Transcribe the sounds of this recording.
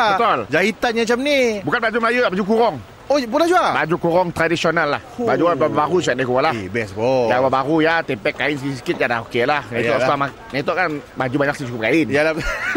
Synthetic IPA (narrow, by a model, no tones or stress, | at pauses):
bət̪ʊld͡ʒaɦit̪anɲaat͡ʃamnibukanblad͡ʒumlajuabad͡ʒukuɾɔŋ | obulahd͡ʒuabad͡ʒukuɾɔŋt̪ɾadisionalːahbad͡ʒukababbaɾus̬uat̚dakuɾɔlabɛsbɔjababaɾujat̪ɛmpɛkːaɪns̬kɪsə̥kɪt̪̚jadaɦokelahnat̪ɔsama | nɛt̪ɔʔkanbad͡ʒubaɲaksit͡ʃukʊp̚kaɪnjalabə